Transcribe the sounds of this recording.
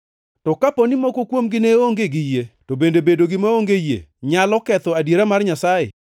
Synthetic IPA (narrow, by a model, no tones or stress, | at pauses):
tɔkaponɪmɔkokwomɡɪneoŋɡeɡɪjetobendebedoɡɪmaoŋɡejḛɲalɔkɛt̪ɔadjeɾamarɲasajḛ